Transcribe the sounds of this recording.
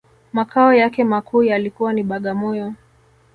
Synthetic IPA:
makaɔjakɛmakʰuːjalikuwaniɓaɠamɔjɔ

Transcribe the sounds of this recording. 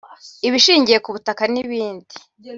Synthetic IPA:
iβiʃiːɲɟije̞kuβutakaniβiːndi

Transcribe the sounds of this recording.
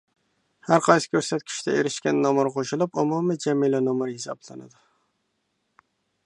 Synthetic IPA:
haɾqʰɑjsɪ̥kʲʰɵɾsat̪̚kʲʰi̥ʃt̪ʰɛeɾɪʃkʲanːɒmʊɾqʰoʃɪlˠɪpʊmumɪd͡ʒamilanomɨɾhɪsɑblˠanɪ̰d̪ɪ

